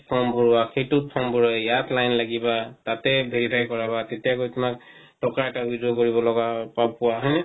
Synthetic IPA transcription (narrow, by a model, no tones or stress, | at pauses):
pʰɔmbʱuɹwaxejtʊt̚pʰɔmbʱɔɹɔajatlajnlaɡibatatɛbʱeɹipʰaɹikɔɹabatetijakojtʊmak̚ | tɔkaɛtaubʱizoɡkoɹibɔlɔɡapapʊwaɦɔjnɛ